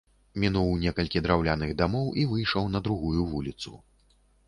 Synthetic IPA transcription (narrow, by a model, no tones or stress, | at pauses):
mʲinuwnʲɛkɐlʲkʲid̪ɾawlʲanɨɣd̪amɔwʔivɨjʂɐwnɐd̪ɾuɣujuvulʲit̪sṵ